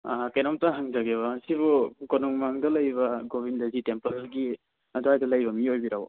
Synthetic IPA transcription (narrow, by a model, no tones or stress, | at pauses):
akajnamtaɦaŋd͡ʒaɡeβɐsiβukonuŋmaŋdɐlɐjbɐɡobindɐzitempɐlɡi | ɐduhajdɐlɐjbɐmiojbiɾaw̰